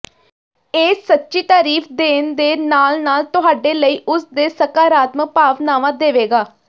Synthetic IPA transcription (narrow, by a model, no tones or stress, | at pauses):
eːsətːʃiːt̪aːɾiːfʰd̪eːnd̪eːnaːlnaːlt̪ʊɦaːɖeːləiːʔʊsd̪eːsəkaːɾaːt̪mək̚paːʋnaːʋãːd̪eːʋeːɡaː